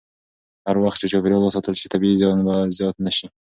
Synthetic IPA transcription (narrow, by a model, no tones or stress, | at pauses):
haɾwaxt̪t͡ʃet͡ʃopɾjolwəsɑt̪əlʃi̥t̪ʰabiizjɑnbazjɑt̪nəʃi